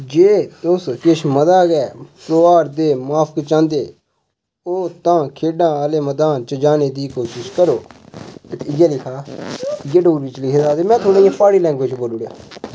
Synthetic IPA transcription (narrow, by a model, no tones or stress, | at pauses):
d͡ʒeːt̪ʊskɪʃməd̪aːkɛːpɾoːʋaːɾd̪eːmaːpʰkːt͡ʃãːnd̪eː | oːt̪ãːkʰeːɖãːəːleːməd̪aːnt͡ʃəd͡ʒaːneːd̪iːkoːʃɪʃkəɾoːɪt̪ɪjaːlɪkʰaːɪjeːɖoːɡɾiːt͡ʃlɪkʰeːd̪aːd̪eːmɛ̃ːt̪ʰoːnẽːjãːpaːɽiːlɛ̃ːŋɡʋoːt͡ʃboːluːɽja̰ː